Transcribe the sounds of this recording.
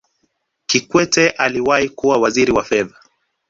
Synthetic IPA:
kikwɛtɛʔaliwahikuwawaziɾiwafɛða

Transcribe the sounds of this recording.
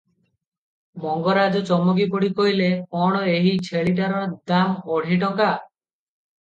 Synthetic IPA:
mɔŋɡɔɾad͡ʒɔt͡ʃɔmɔɡip̬ɔɽikɔɦileɔɽ̃ɔeɦit͡ʃʰeɭiʈ̬aɾɔd̪amɔɽ̤iʈɔka

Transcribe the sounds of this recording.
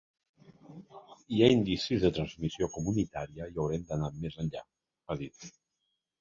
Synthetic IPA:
iaind̪isizðət̪ɾənzmisiokumunit̪aɾiəiəwɾɛmd̪ənamezənʎa̰ | əðit̪

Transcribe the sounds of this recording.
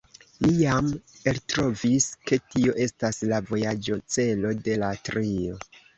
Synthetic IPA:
lijameltɾo̞viske̞tio̞ʔe̞staslavo̞jad͡ʒo̞t͡se̞lo̞de̞latɾio̞

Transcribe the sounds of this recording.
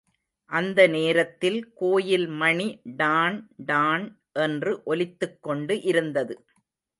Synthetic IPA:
ʔɐnd̪ɐneːɾɐt̪ːɪlkoːjɪlmɐɳiɖaːnɖaːn | ʔɛndrɯʔɔlɪt̪ːɯkːɔɳɖɯʔɪɾɯnd̪ɐðɯ

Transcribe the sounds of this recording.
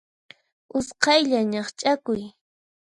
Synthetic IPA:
ʊsqɑjʎaɲɑχt͡ʃʼakʊj

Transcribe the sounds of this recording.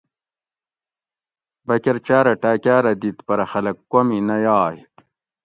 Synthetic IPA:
bɐkeɾt͡ɕaːɾɐʈaːkaːɾɐd̪it̪pɐɾɐxɐlɐkːominɐjaːj

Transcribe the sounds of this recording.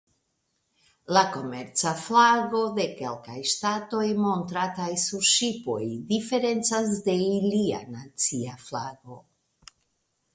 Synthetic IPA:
lako̞me̞ɾt͡saflaɡo̞de̞ke̞lkajʃtato̞jmo̞ntɾatajsuɾʃipo̞̰jdife̞ɾe̞nt͡sas̬de̞ilia̰nat͡siaflaɡo̞

